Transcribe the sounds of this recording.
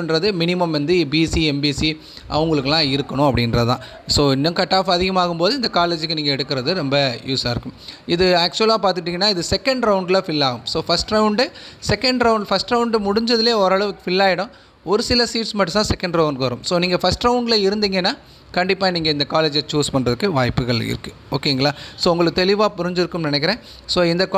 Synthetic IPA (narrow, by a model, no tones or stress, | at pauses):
nɾɐðɯmɪnɪmɐmʋɐnd̪ɯbiːsiɛmbiːsi | ʔɐ̰ʋɐŋɡɐɭɯkːɯlãːɪɾɯkːɐɳʊ̃ɐpːɐɽɪnɾɐðt̪ã̰ː | soːɪnːɐ̃kɐʈːaːfɐɐðɪɣɐmaːɣɯmpoːðɯɪnd̪ɐkaːleːd͡ʒɯkːɯniːŋɡɐɛɽɯkːɪɾɐðɯɾɐmbɐjuːsaːɪɾɯkːɯmɪðɯaːk̚t͡ʃʊɛlaːpaːɾt̪ɯʈːiːŋɡɐnːaːɪðɯsɛkːɛɳɖɾɐʊɳɖlɐfɪlːaːɣɯmsoːfɐsʈɾɐʊɳɖɯsɛkɛɳɖɾɐʊɳɖfɐsʈɾɐʊɳɖɯmʊɽʊɲd͡ʒɐðɪleːɔɾɐɭɐʋɯkːɯ̥fɪlːaːjɪɽʊ̃ː | ɔɾɯsɪlɐsiːʈsmɐʈːɯt̪ãːsɛkːɛɳɖɾoːʋɐnkɯʋɐɾɯ̃msoːniːŋɡɐfɐsʈɾɐʊɳɖlɐɪɾɯnd̪iːŋɡɐenːaː | kɐɳɖɪpːaːniːŋɡɐɪnd̪ɐkaːleːd͡ʒɐt͡ʃuːspɐɳːɾɐðɯkːɯʋaːjpːɯɣɐɭɪ̰ɾɯkːɯ | o̰ːkeːŋɡɐɭaːsoːʊŋɡɐɭɯkːɯt̪ɛlɪʋaːpʊɾɪɲd͡ʒɪɾɯkːɯmnɪnɛk̬ːɪɾẽː | soːɪnd̪ɐkː